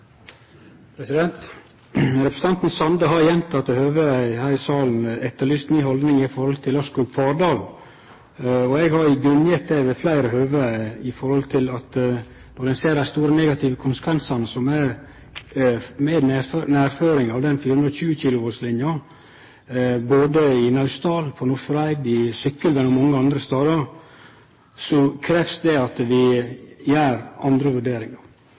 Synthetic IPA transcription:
pʰɾɛsɪd̪ɛnt̪ | ɾɛpɾəs̩t̪ɑnt̪n̩sɑnd̪əɦɑɾjɛnt̪ʰɑt̪ohøːʋəæɪhæɪsɑːln̩ɛt̪ːəɭyːst̪nyːhɔld̪nɪŋɪfɔɾhɔlt̪ʰɪlɑʂkʉɡfɑːɾdɑːl | ɔɛɡhɑɾɪɡɾʉnjət̪̚d̪ɛʋɛflæɪɾəhøːʋəɪfɔɾhɔlt̪ʰɪlɑt̪ | nɔɖ̪ɛnseːɾæɪst̪uːɾənɛːɡɑt̪ʰɪʋəkʰʊnsə̥kʰʋɛnsɑnəsɔmæɾ | mɛːd̪nnæːɾføːɾɪŋɑʋd̪ɛnfiːhʉnɾəçʉːəçiːlʊʋoslɪnjɑ | boːd̪əɪnɑʉst̪ɑːlpʰɔnʊsɾæɪd̪ɪsʏkːəlmɛnɔmɔŋːəɑnd̪ɾəst̪ɑːd̪ɑɾ | sɔkʰɾɛːfsd̪ɛɑt̪ʋɪjæːɾɑnd̪ɾəʋʉɖeːɾɪŋɑɾ

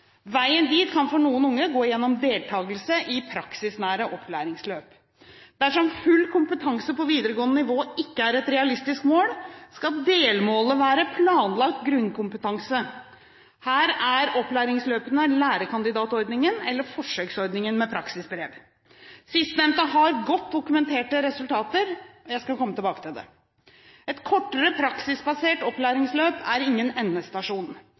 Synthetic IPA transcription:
ʋæɪənd̪iːt̪kʰɑnfɔɳuːənʊŋːəɡoːjɛnːɔmd̪eːlt̪ʰɑːɡəlsəʔɪpʰɾɑksɪsnæːɾəʔɔpʰːlæ̰ːɾɪŋsløːp | d̪̥æʂɔmfʉlːkʰʊmpət̪ʰɑŋsəpɔʋiːd̪əɾəɡoːənənɪʋoːɪkːəæːɾɛt̪ɾɛɑlɪst̪ɪskmoːlskɑld̪eːlmoːləʋæːɾəpʰlɑːnlɑk̚t̪ɡɾʉnkʊmpət̪ɑŋsə | hæːɾæɾɔplæːɾɪŋsløːpənəlæːɾəkʰɑnd̪ɪd̪ɑːt̪ɔɾd̪nɪŋənɛlːəɾfɔʂøːksɔɾd̪nɪŋənmɛpʰɾɑksɪsbɾeːʋ | sɪst̪nɛmt̪əɦɑɾɡɔt̪̚d̪ʊkʉmɛnt̪ʰeːʈəɾɛsʉlt̪ʰɑːt̪əɾɔjæɪskɑkʰɔmːət̪ɪlbɑːkət̪ʰɪld̪ɛ̰ | ɛt̪kʰɔʈːəɾəpʰɾɑksɪsbɑseːʈɔplæːɾɪŋsløːpæɾɪŋːənɛnːəst̪ɑʂuːn

